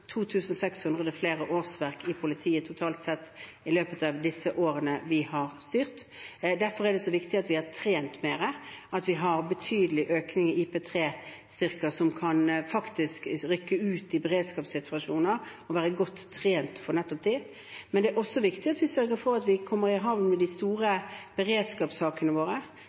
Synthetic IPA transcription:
t̪ʰuːt̪ʰʉːsn̩ɔsɛkshʉnd̪ʁəd̪əfleːɾəʔoːɾsʋæɾkɪpʰʊlɪt̪ʰiːət̪ʰʊt̪ʰɑːlt̪sɛt̪ː | ɪløːpət̪ɑʋd̪ɪsəʔoːɾənəʋɪhɑɾst̪yːɾt̪d̪æɾfɔɾæɖ̪ɛsɔʋɪkt̪ɪɑt̪ʋɪhɑt̪ʰɾeːnt̪meːɾəɑt̪ʋɪɦɑɾbət̪ʰyːd̪əlɪʔøːknɪŋɪʔipʰɛːt̪ʰɾeː | st̪ʏɾkəsɔmkʰɑnfɑkt̪ɪskɾʏkːəʉːt̪d̪ɪbəɾeːd̪skɑːpsɪt̪ʰʉɑʂuːnəɾɔʋæːɾəɡɔt̪ʰːɾeːnt̪fɔɾnɛt̪ːɔp̚d̪i | mɛnd̪ɛæɾʔɔsːɔʋɪkt̪ɪɑt̪ʋɪsœɾɡəɾfɔɾɑt̪ʋɪkʰɔmːəɾɪɦɑʋnmɛd̪ɪst̪uːɾəb̥əɾeːd̪skɑːpsɑːkənəʋoːɾə

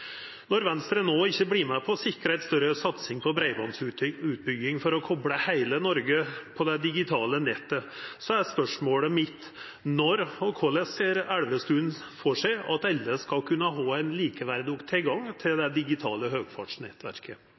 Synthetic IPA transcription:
nɔɾʋɛnst̪ɾənoːɪçːəbliːmæpʰɔsɪkːəɾəæɛɪt̪st̪œɾəsɑt̪sɪŋpʰɔbɾæɪbɑnsʉːt̪̚bʏɡːɪŋfɔɾɔkʰɔbɽəhæɪlənɔɾɡəpʰɔd̪ɛd̪ɪɡɪt̪ʰɑːlənɛt̪ːəsɔæɾspœʂmoːləmɪt̪ | nɔɾɔkʰɔlɛseːɾæɽʋəst̪ʉːnfɔʂæɪɑt̪ɑlːəskɑlkʰʉnːəɦɑːæɪnliːkəʋæɾd̪ukt̪ʰɪlɡɑŋːt̪ʰɪld̪ɛd̪ɪɡɪt̪ʰɑ̰ːləɦøːɡfɑ̰ʈʂnɛ̰t̪ʋæ̰ɾkʰə

